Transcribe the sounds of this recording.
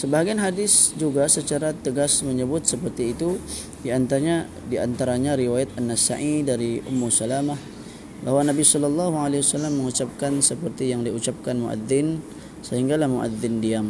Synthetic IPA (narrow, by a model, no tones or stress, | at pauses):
səbaɦaɡianɦadɪsd͡ʒuɡasət͡ʃaɾat̪əɡasməɲəbʊt̪̚səpərt̪iːt̪u | diant̪aɾɲa | dia̰nt̪aɾaɲaɾiwajat̪anːasa̰ʔidaɾiʔʊ̰mːusalamah | bahwanabisɔlɔlːɑɦualewasalamːəŋut͡ʃap̚kansəpərt̪ijaŋdiut͡ʃap̚kanmṵʔa̰ðɪn | səɦiŋɡalahmuʔa̰ðɪndiam